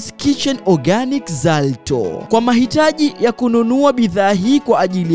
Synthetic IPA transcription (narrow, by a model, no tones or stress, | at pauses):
skiʃɔnɔɡanikzaltɔ̰kwamaɦitaʄijakununuaɓiðaːɦiːkwaʔːʄili